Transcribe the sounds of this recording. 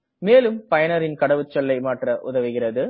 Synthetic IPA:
meːlɯmpɐjɐnɐɾɪnkɐɽɐʋɯt͡ʃːɐlːɐɪmaːʈrɐʔʊ̰ðɐʋɯɣɪrɐðɯ

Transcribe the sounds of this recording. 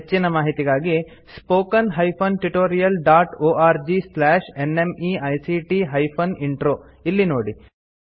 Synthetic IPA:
t͡ʃːinɐmaːɦit̪iɡaːɡi | spoːkɐnɦɐjpʰonʈuʈoːɾijɐlɖaːʈoːʔaːɾd͡ʒislaːʃenemiɐjsiʈiɦɐjpʰoniɳʈɾoː | ilːinoːɽi

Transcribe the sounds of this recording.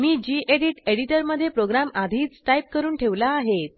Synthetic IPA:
miːd͡ʑiːʔeɽiʈeɽiʈəɾməd̪ʱːjepɾoɡɾamad̪ʱiːt͡sʈaip̚kəɾuːnʈʰeʋlaːɦet̪

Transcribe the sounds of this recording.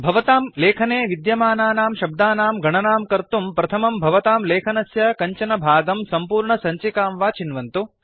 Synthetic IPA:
bʱɐʋɐt̪aːmleːkʰɐneːʋid̪jɐmaːnaːnaːmʃɐb̚d̪aːnaːmɡʱɐɳɐnaːmkɐɾt̪umpɾɐt̪ʰɐmɐmbʱɐʋɐt̪aːmleːkʰɐnɐsjɐkɐɲt͡ʃɐnɐbʱaːɡɐmsɐmpuːɾɳɐsɐɲt͡ʃikaːmʋaːt͡ʃinʋɐnt̪u

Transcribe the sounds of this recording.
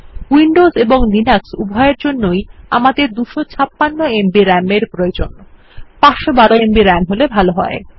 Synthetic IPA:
wiɳɖozeboŋlinaksubʱɔeɾd͡ʑonːoja̰mad̪eɾd̪uʃot͡ɕʰapːanːoembiɾɛmeɾpɾojod͡ʑo̰n | paʃobaɾoembiɾɛmɦolebʱaloɦɔe

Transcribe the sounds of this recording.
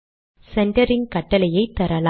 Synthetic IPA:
sɛɳʈɐɾɪnkɐʈːɐlɐjɐɪt̪ːɐɾɐl

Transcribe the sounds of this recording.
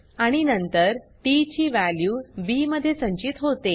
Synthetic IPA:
aɽ̃inənt̪əɾʈit͡ɕiːʋæljuːbiməd̪ʱːjesə̃ɲt͡ɕit̪ɦot̪e

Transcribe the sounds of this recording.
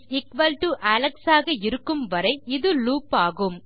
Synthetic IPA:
ɪkʋɐlʈuʔɐlɐksaːɣɐɪɾɯkːɯmʋɐɾɐɪɪðɯluːpaːɣɯm

